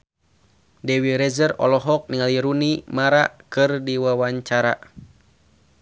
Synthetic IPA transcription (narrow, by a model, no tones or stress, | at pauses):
dɛwiɾɛzərɔ̰lɔɦɔk̚niŋaliɾunimaɾakɨrdiwawaɲt͡ʃaɾa